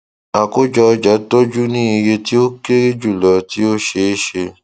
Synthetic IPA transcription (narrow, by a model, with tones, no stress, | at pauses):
a˨ko˦d͡ʒɔ˧d͡ʒa˨˦to˦d͡ʒu˦nĩ˦i˧je˧ti˦o˦ke˦ɾi˦d͡ʒu˦˨lɔ˨˦ti˦o˦ʃe˧˦ʃe˧